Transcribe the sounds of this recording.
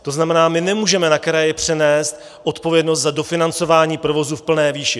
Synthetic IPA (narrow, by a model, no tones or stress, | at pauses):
t̪o̞znamɛnaːmɪnɛmuːʒɛmɛnakɾajɪpr̝̥ɛnɛːst̪ | ʔo̞t̪po̞vjɛdno̞s̬t̪zado̞fɪnant͡so̞vaːɲiːpɾo̞vo̞zufpl̩nɛːviːʃɪ